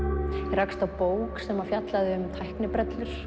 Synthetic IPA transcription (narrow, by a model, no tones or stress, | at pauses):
irajkst̪awpoːwksɛmafjat̪laðɪʏmt̪ʰajhknɪpɾɛt̪lʏɾ̥